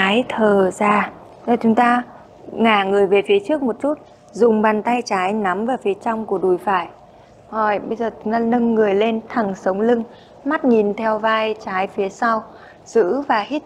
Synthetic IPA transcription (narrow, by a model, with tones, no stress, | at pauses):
aː˨˦jt̪ʰəː˨˩zaː˧˩˨ | t͡ɕʊ˨˦ŋ͡mt̪aː˧ | ŋaː˨˩ŋɨ˨˩əjve˨˩fi˨˦ət͡ɕɨ˦˥ək̚mo˨˩t̚t͡ɕu˦˥t̚ | zʊ˨˩ŋ͡mɓaː˨˩nt̪a˧jt͡ɕaː˨˦jna˨˦mvaː˨˩fi˨˦ət͡ɕa˧wŋ͡mku˧˩əɗu˨˧˩jfaː˧˩j | hɔ˨˩jɓə˧jzəː˨˩t͡ɕʊ˨˦ŋ͡mt̪aː˧nə˧nːɨ˨˩əjle˧nt̪ʰa˨˩ŋsə˨˦wŋ͡mlɨ˧ŋ | ma˦˥t̚ŋi˨˩nt̪ʰɛ˧wvaː˧jt͡ɕaː˨˦jfi˨˦əsa˧w | z̥ɨ̰˧˥vaː˨˩hi˦˥t̚